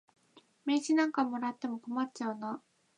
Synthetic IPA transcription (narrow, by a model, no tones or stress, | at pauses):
me̞ːɕinãŋkamo̞ɾat̪ːe̞mo̞ko̞matt͡ɕaɯna